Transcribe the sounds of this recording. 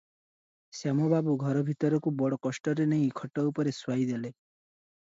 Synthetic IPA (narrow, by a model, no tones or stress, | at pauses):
samɔbabuɡʱɔɾɔbʱit̪ɔɾɔkubɔɽɔkɔsʈɔɾeneĩkʰɔʈɔupɔɾeswaid̪ele